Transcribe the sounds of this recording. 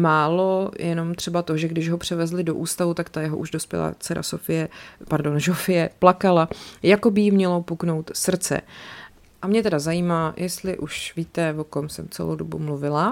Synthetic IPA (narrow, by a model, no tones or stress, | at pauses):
maːlo̞jɛno̞mt̪r̝̥ɛbat̪oʒɛɡdɪʒɦo̞pr̝̥ɛvɛzlɪdo̞ʔuːst̪avut̪akt̪ajɛɦoʔuʒdo̞spjɛ̰la̰ːt͡sɛɾa̰sofɪjɛpaɾdo̞nʒofɪjɛplakalajako̞bɪjimɲɛlo̞pukno̞wt̪sr̩t͡sɛ̰ | ʔamɲɛt̪ɛdazajiːmaːjʔɛst̪lɪʔuʃviːt̪ɛvokomsɛmt͡sɛ̰lo̰wdobṵmluvɪla